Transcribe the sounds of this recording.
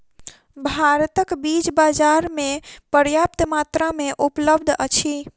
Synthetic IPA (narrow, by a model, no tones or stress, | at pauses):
bʱaɾt̪əkbid͡ʒbad͡ʒaɾmepəɾjap̚t̪mat̪ɾameʔupləbd̪ʱət͡ʃʰi